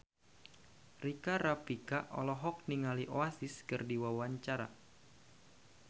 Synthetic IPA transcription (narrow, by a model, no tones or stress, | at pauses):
rikaɾapikaʔɔ̰lɔɦɔk̚niŋaliʔoasɪskɨrdiwawaɲt͡ʃaɾa̰